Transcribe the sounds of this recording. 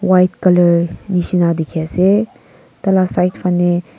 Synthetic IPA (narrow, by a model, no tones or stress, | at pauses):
wajtkələɾnisinad̪ikʰjase | t̪ɐlasajtpʰənːe